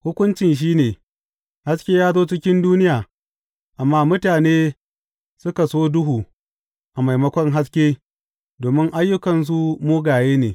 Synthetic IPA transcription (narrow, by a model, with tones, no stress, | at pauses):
hʊ˦kʷʊ˦nt͡ʃɪ˨nʃ̬iː˦neː˨ | ha˦skʲeː˦jaː˦zoː˦t͡ʃɪ˦kʲɪ˦nduː˦nɪ˦jaː˨ | ʔa˨mːaː˦mʊ˦taː˨neː˦ | sʊ˦ka˨soː˦dʊ˦ɦuː˨ | ʔa˨ma˨jmɐ˦kʷɔ˦ŋɦa˦s̬kʲeː˦ | doː˨mɪ˦ŋʔa˦jːʊ˦kɐ˨ns̬u˦moː˦ɡaː˨jeː˦neː˨